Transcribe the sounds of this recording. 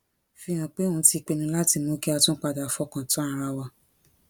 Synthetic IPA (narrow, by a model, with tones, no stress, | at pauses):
fi˧j̃ã˨k͡pe˦ũ˧˦ti˧k͡pe˧nũ˧˦la˦ti˧mũ˦ki˦a˧tũ˦k͡pa˧da˨fɔ˧˦kã˨tã˨˦a˧ɾa˧wa˧